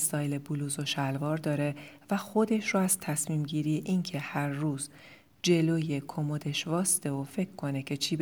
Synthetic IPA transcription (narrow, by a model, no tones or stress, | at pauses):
st̪ɒːjle̞buluːzo̞ʃælvɒːɾd̪ɒːɾe̞væxo̞d̪e̞ʃroæz̥t̪ʰæsmiːmɟiːɾijeʔincʰe̞hæɾːuːz | d͡ʒe̞loːje̞kʰomod̪e̞ʃvɒːse̥t̪ʰe̞vofe̞cʰkʰːo̞ne̞cʰe̞t͡ʃʰiːb